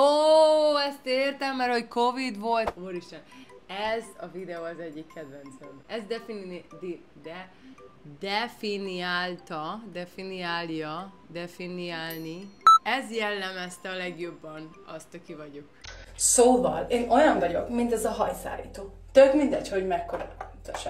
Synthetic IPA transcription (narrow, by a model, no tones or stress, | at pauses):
oːɛst̪eːrt̪ɛmːɛrho̞cko̞vid̪ʋo̞lt̪oɾiʃɛnɛzɒvid̪ɛoːɒzɛɟːikːɛd̪ʋɛnt̪sɛɾɛzd̪ɛfind̪i | d̪ɛ | d̪ɛfiniaːlt̪ɒd̪ɛfiniaːlijɒ | d̪ɛfiniaːlniɛzjɛlːɛmɛst̪ɛɒlɛɡjo̞bːɒn | ɒ̰st̪ɒkivɒɟo̞ksoːvɒ̰leːno̞jɒɱvɒɟo̞kmint̪ɛzɒɦɒjsa̰ːlḭːt̪oːt̪øbmind̪ɛcho̞ɟmɛkːoɾɒ̰t̪øʃ